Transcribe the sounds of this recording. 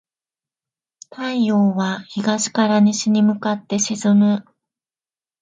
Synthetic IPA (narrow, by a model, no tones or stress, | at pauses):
t̪aijoːβaçiɡaɕi̥kaɾaɲ̟iɕiɲ̟imɯ̟kat̪ːe̞ɕizɨmɯ̟